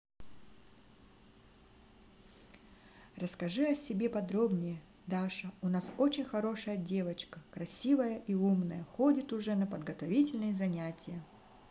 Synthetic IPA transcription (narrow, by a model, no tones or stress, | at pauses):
rəskɐʐɨɐsʲɪbʲe̞pɐd̪ɾo̞bnʲɪjə | d̪aʂəʊnaso̞t͡ɕɪnʲxɐɾo̞ʂəjədʲe̞vət͡ɕkəkɾɐsʲivəjəʔiumnəjəxo̞dʲɪt̪ʊʐɛnəpəd̪ɡɐt̪ɐvʲitʲɪlʲnɨjəzɐnʲætʲɪjə